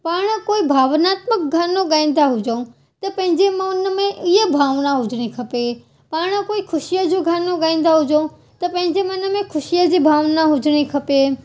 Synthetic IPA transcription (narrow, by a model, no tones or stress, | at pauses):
paːɽ̃əkoːibʱaːʋnaːt̪mək̚ɡʱanːõɡãːnd̪aɦud͡ʒəũ | t̪əpə̃ɦɪ̃ɲd͡ʒemãʊnəmẽʔijəbʱaːʋnaɦʊd͡ʒɽ̃ĩkʰəpe | paːɽ̃əkoːikʰʊʃijəd͡ʒuɡʱanːõɡaĩn̆d̪aɦud͡ʒəũ | t̪əpə̃ɦɪ̃ɲd͡ʒemənəmẽkʰʊʃijəd͡ʒibʱaːʋnaɦʊd͡ʒɽ̃ĩkʰəpe